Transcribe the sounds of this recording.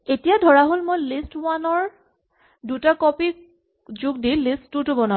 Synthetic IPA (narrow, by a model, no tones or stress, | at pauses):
etijadʱɔɹaɦolmojlistwanɔɹ | dutakɔpik̚ | zʊɡ̚dilistːutʊbɔna